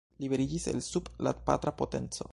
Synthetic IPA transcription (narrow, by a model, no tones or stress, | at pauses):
libe̞ɾid͡ʒise̞̰lsublat̪pa̰t̪ɾapote̞̰nt͡so̞̰